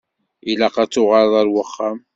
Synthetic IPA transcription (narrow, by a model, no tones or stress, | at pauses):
ilæqɑt͡sːʊʁɑɾˤðˤæɾwəχːam